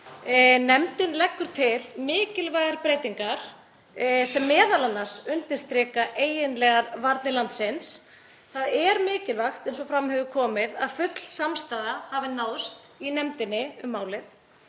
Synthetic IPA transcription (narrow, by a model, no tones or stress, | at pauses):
nɛmt̪ɪnlɛkːʏɾ̥t̪ʰɪlmɪːcɪlvaːjɣaɾpɾeːjt̪iŋkaɾ̥ | sɛmːɛːðalanːasʏnt̪ɪ̥st̪ɾɪːkaʔeːjɪnlɛɣaɾvaɾt̪nɪlant̪sɪns | θaðɛɾmɪːcɪlvaxt̪ɛnsɔfɾamhœvʏkʰɔːmɪðaðfʏt̪l̥samst̪aːðahaːvɪnaːwst̪ | inɛmt̪ɪnːɪʏmːaːwlɪθ